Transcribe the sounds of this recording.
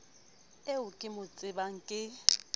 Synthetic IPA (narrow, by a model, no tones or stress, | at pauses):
eʊkʼɪmʊt͡sʼɪbaŋ̩kʼɪ